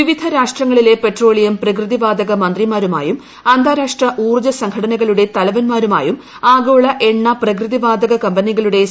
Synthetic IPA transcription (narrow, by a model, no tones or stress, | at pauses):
ʋiʋid̪ʱɐɾaːʂʈrɐŋːɐɭile̞pe̞ʈro̞ːɭijɐmprɐkrɨðiʋaːd̪ɐɣɐmɐnd̪rimaːɾuma̰ːjum | ɐnd̪ʱaːɾaːʂʈrɐʔuːrd͡ʑɐsɐŋɡʰʱɐɽɐnɐɣɐɭuɽe̞t̪ɐlɐʋɐnmaːɾuma̰ːjum | aːɡoːɭɐʔe̞ɳːɐprɐkrɨðiʋaːd̪ɐɣɐkɐmbɐniɣɐɭuɽe̞